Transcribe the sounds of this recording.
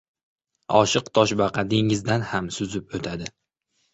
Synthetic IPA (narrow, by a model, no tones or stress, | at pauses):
ɒʃɨqt̪ʰɒʃbɑqʰɑd̪ɪŋɪzd̪anhamsʊzɪpot̪ʰad̪ɪ